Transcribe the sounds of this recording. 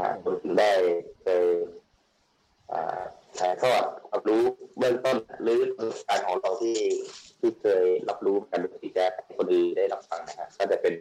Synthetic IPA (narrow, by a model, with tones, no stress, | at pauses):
kʰa̰˧˩kʰo˧nt̪ʰɯ˩˦ŋdaː˥˩jkʰɤː˧j | ʔa̰ː˨˩k̪ʰaː˨˦jt̪ʰɔː˥˩t̪̚ɾa˦˧˥p̚ɾuː˦˥bɯ˥˩əŋt̪o˥˩nɾɯː˨˩˦lŋ˧kaː˧nkʰɔː˩˦ŋla˧˩wt̪ʰiː˥˩t̪ʰiː˥˩kʰɤː˧jla˦˥p̚ɾuː˦˥me˧nka˧ndoː˧t̪ʰiː˧˩t͡ɕa˧a˦˩hjkʰo˧nʔɯː˧daː˥˩jla˦˥p̚fa˧ŋna˦˥kʰa˧˥ʔkɔː˥˩t͡ɕa˨˧˩pe˧n